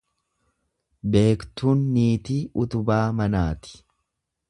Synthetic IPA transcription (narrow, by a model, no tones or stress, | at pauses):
be̞ːkt̪uːnːiːt̪iːʔʊt̪ʊbaːmɐnaːt̪ɪ̥